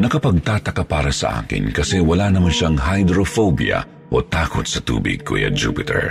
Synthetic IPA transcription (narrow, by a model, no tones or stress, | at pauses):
nɐkɐpɐɡ̚t̪aːt̪ɐkapaːɾɐsɐ̰ʔa̰ːkɪ̰nkɐsɛwɐlanɐmanʃaŋɦajd̪ɾofobjɐ̰ | ʔo̞t̪aːkot̪sɐt̪ṵːbɪ̰ɡ̚kʰʊ̰jɐ̰d͡ʒṵːpɪt̪ɛ̰ɹ